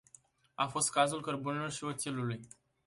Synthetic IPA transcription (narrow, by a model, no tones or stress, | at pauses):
afo̞st̪̚kazulkərbune̞lo̞rʃio̞t̪siluluj